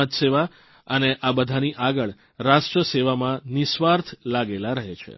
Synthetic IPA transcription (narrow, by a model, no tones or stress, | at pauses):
t̪seʋa | əneʔabəd̪ʱaniʔaɡəɭ | ɾaʃʈɾəseʋamãnɪsʋaɾt̪ʰlaɡelaɾəɦet͡ʃʰḛ